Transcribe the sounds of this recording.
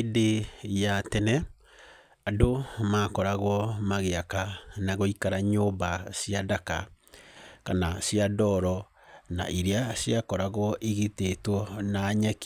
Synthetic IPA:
dejatɛnɛ | adomaːkɔɾaɣwɔmaɣeakanaɣoikaɾaɲoːbasiadaka̰ | kanasjadɔɾɔ | na̰ʔiɾeasjakɔɾaɣwɔʔiɣitetwɔnaːɲɛk

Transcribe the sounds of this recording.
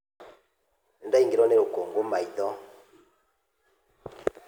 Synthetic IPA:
ndaiŋɡɾɔneɾukoŋɡumaidɔ

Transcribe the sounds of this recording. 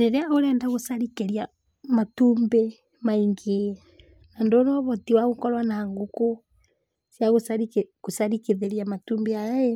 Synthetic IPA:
ɾeɾeaoɾɛndaɣosaɾikeɾia | matumbe | maiŋɡe | nandɔnɔβɔtiwaɣokɔlwanaŋɡuko | sjaɣosaɾikekosaɾikeðeɾiamatuːmbeaja

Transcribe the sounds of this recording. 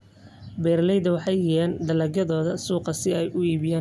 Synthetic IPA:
bɛːɾlɛjðɐwɑħɑjɪɛːnd̪ɐlɐɣɐðɔːðɐsuːqɐsɪɛjʊiːβɪjaː

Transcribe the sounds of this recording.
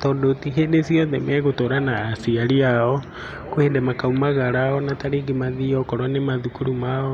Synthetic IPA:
tɔdotiheːdesiɔðɛmɛɣotoɾanaːsiaɾiaɔ | kwendɛmakaumaɣaɾaɔnataɾeːɡemaðiɔkɔɾwanemaðukuɾumaɔ

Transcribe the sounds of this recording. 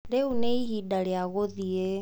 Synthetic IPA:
leuneiɦidaɺeaɣoðie

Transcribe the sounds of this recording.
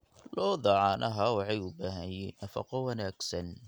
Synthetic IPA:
lɔːðɑʕɑːnʔɐɦɐwɑħɑjʊbaːɦɐjɛːnːɐfɐ̰qɔwɑnaːɡsɐn

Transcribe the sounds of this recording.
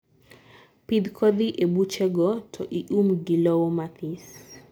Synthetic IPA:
pid̪kʰɔd̪iʔebut͡ʃɛɡɔtʰɔʔiʔumɡilɔwɔmat̪ʰis

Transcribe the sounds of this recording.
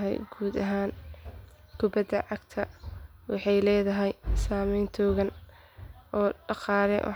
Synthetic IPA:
ɦɛ̰jɡ̥uːd̪ɐɦaːn | kʰʊbɐd̪ɐʕɑɡt̪ʰɐwɑħɑjlɛːðɐɦɛjsaːmɛjnt̪ʰɔːɣɐn | ʔɔːɖɑqɑːɾɛ̰wɑ̰

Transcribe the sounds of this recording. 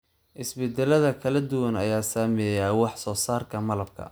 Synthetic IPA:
ʔɪsbɛd̪ɛlɐðɐkʰɐlɐd̪ʊwɐnɐjaːsaːmɛːjaːwɑħsɔːsaːrkʰɐmɐlɐb̚kʰɐ̰

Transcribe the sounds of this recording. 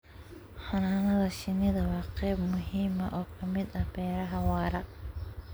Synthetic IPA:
ħɐnaːnɐðɐʃɪnɪðɐwɑːqɛːbmʊɦiːmɐʔɔːkʰɐmɪd̪ɐhbɛːɾɐɦɐwɑːɾɐ

